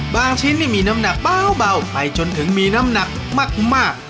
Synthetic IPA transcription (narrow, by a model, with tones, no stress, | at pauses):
baː˧ŋt͡ɕʰi˦˥nːiː˥˩miː˧na˦˥mna˨˧˩k̚baː˧wba˧wpa˧jt͡ɕo˧nt̪ʰɯ˩˦ŋmiː˧na˦˥mna˧˥k̚ | maː˥˩k̚maː˥˩k̚